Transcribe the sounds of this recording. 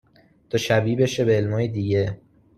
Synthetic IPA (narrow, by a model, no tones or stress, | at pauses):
d̪̥oʃæbiːbeʃebeːlmɒːjed̪iːɟe̞